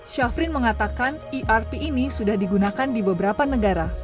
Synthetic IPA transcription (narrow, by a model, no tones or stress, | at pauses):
ʃafɾɪnməŋat̪akaniʔarpiːnisudahdiɡunakandibəbəɾapanəɡaɾa